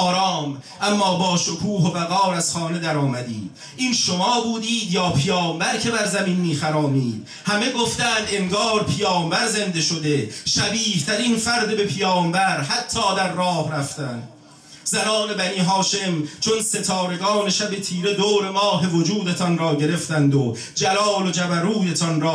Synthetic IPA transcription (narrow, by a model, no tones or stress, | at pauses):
ɒːɾɒːmʔæmːɒːbɒːʃokʰuːɦobæɣɒːɾæz̥χɒːne̞d̪æɾɒːmæd̪ḭːd̪̥ | ʔiːnʃomɒːbuːd̪iːd̪jɒːpʰijɒːmbæɾcʰe̞bæɾzæminmiːxæɾɒːmiːd̪̥ | hæme̞ɡoft̪æːnd̪e̞ŋɡɒːɾpʰijɒːmvæɾze̞nd̪e̞ʃod̪e̞ʃæbiːht̪ʰæɾinfæɾd̪ebe̞pʰijɒːmvæɾɦæt̪ʰːɒːd̪æɾːɒːhɾæft̪ænd̪ | zænɒːne̞bæniːɦɒːʃe̞mt͡ʃʰo̞nse̞t̪ʰɒːɾe̞ɡɒːne̞ʃæbe̞t̪ʰiːɾe̞d̪oːɾe̞mɒːɦe̞vod͡ʒuːd̪e̞t̪ʰɒnɾɒːɟe̞ɾe̞ft̪ænd̪o | d͡ʒælɒːlod͡ʒæbæɾuːjet̪ʰɒnɾɒː